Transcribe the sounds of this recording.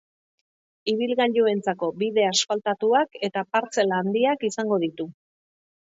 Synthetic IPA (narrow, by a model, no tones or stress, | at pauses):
iβ̞ilɣaʎue̞nt͡sako̞biðe̞aspalt̪at̪uake̞t̪apaɾt͡se̞laːnd̪iakisaŋɡo̞ð̞it̪u